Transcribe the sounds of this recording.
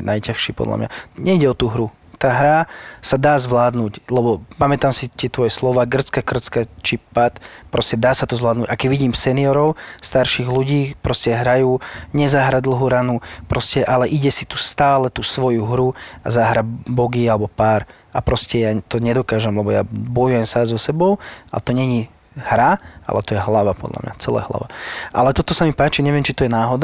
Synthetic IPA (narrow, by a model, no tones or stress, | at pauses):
nʔajcaxʃipɔ̰d̪la̰mɲa̰ɲɛiɟɛɔt̪uːɦɾu | t̪aːɦɾasad̪aːzʋlaːd̪nuːclɛbɔpamɛt̪amsit̪ɪɛt̪ʋɔjɛslɔʋaːɡr̩t͡skakr̩t͡skat͡ʃipat̪pɾɔscɛd̪aːsat̪ɔzʋlaːd̪nucakɛɟʋiɟiːmsɛniɔɾɔʊst̪aɾʃiɣluɟiːpɾɔscɛɦɾajuːɲɛzaɦɾad̪l̩ˠɦuːɾanupɾɔscɛʔalɛʔiɟɛsit̪ust̪aːlɛt̪usʋɔjuɦɾua̰zaɦɾabɔɡialɛbɔpaːɾ | apɾɔscɛjat̪ɔɲɛd̪ɔkaːʒɛmlɛbɔja̰bɔjujɛmsazɔsɛbɔʊa̰lɛt̪ɔɲɛɲi | hɾaa̰lɛt̪ɔjɛɦlaʋa̰pɔ̰d̪lʔa̰mɲa̰t͡sɛla̰ːɦla̰ʋa̰ʔa̰lɛt̪ɔt̪ɔsamipaːt͡ʃiɲɛʋɪɛmt͡ʃit̪ɔjɛnaːɦɔd̪